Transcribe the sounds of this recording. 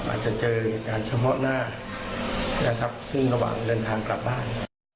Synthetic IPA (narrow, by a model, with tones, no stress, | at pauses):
ʔa̰ː˨˩t̪̚t͡ɕa˨˩ʔ̚t͡ɕɤː˧e˨˩kaː˧nt͡ɕʰa˧pʰɔ˦˥naː˥˩ | na˦˥kʰɾa˦˥p̚sɯ˥˩ŋɾa˧wa̰ː˨˩ŋdɤː˧nt̪ʰaː˧ŋkla˨˩p̚baː˥˩n